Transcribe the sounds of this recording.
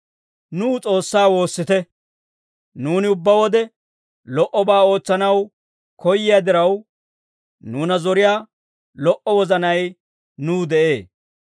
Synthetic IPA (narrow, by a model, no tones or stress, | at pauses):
nuːt͡sʼo̞ːsːaːwo̞ːsːɪt̪ɛ | nuːnɪʊbːɐwɔd̪ɛ | lɔʔɔbaːo̞ːt͡sːɐnɐw | kɔjːɪjaːd̪ɪɾɐw | nuːnɐzɔɾɪjaː | lɔʔɔwɔzɐnɐj | nuːd̪ɛʔe̞ː